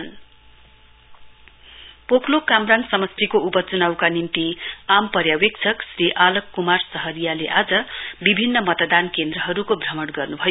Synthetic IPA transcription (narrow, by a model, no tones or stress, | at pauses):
n | pokʰlokamransʌmʌst̪ʰikoupʌt͡sunawkanint̪iampʌɾjawek̚t͡sʰʌksriʔalʌkːumarsʌɦʌɾijaleʔad͡zʌbibʱinːʌmʌt̪d̪ankend̪rʌɦʌɾukobʱrʌmʌɽɡʌrnubʱʌjo